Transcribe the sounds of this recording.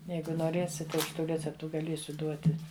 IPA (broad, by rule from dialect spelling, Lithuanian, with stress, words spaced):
ˈjɛɪɡʊ noːˈrʲeːsʲɪt tɐɪ ˈɐʃ ˈtuː ˈrʲæːt͡sʲɛptʊ ɡɐˈlʲiɛsʲʊ ˈduɔtʲɪ